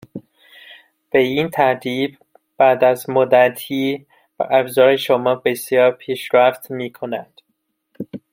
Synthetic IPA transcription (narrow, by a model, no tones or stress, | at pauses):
b̥e̞iːnt̪ʰæɾt̪ʰiːb̚ | b̥æd̪æzmod̪æt̪ʰiː | bæ̰ʔæbzɒːɾeʃomɒːbe̞sjɒːɾpʰiːʃɾæft̪miːkʰonænd̪̥